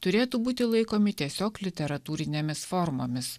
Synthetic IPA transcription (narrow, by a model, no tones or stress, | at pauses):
t̪ʊɾʲeːt̪uːbuːt̪ʲɪlˠɐɪkoːmʲɪt̪ʲiɛsʲoːklʲɪt̪ʲɛɾɐt̪uːɾʲɪnʲeːmʲɪsfɔɾmoːmʲɪs